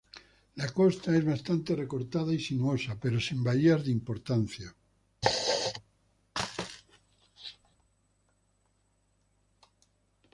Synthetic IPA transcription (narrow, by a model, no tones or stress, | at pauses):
lakost̪aezβast̪ant̪ereko̞ɾt̪að̞aisinuosapeɾosimbaʎeazðimpo̞ɾt̪an̟θja